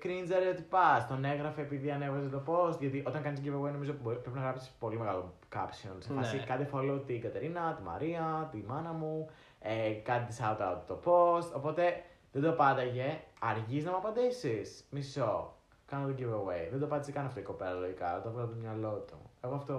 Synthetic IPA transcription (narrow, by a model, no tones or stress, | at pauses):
kɾind͡zɐɾot̪ipɐst̪one̞ɣɾɐfeːpiðiɐnevɐset̪opo̞st̪ʝɐt̪iʔo̞t̪ɐŋkɐnist̪ɟivewejno̞mizoboɾipɾepinɐɣɾɐpsi̥spo̞limeɣɐlokɐ̰psionsefɐsikɐt̪ifoloot̪iɡɐt̪e̞ɾinɐt̪imɐ̰ɾiɐt̪imɐnɐmu | ekɐt̪it̪isɐut̪ɐt̪t̪o̞post̪o̞po̞t̪e̞ | ðed̪opɐnd̪ɐʝe̞ɐɾʝiznɐmɐpɐnd̪isismiso | kɐnot̪oɟivewejðend̪opɐnd̪iskɐnɐft̪oiko̞pelɐloʝikɐ̰t̪oɐvɣɐlɐpt̪omɲɐlo̞t̪ṵe̞ɣoɐft̪o̞